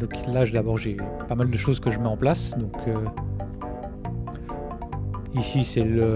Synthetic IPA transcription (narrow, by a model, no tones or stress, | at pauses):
d̪ɔ̃kʰlaʒd̪abɔʁʒe | pamald̪əʃozkəʒəmɛɑ̃plasd̪ɔ̃kʰø | isisɛlə